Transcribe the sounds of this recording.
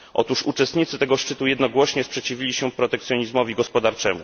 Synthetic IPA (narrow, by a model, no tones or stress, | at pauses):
ʔɔ̰t̪uʂut͡ʂɛst̪ɲit̪sɘt̪ɛɡɔʂt͡ʂɘt̪ujɛd̪nɔɡwɔɕɲɛspʂɛt͡ɕivʲilʲiɕɛpɾɔt̪ɛkt̪sʲjɔɲizmɔvʲiɡɔspɔd̪aɾt͡ʂɛmṵ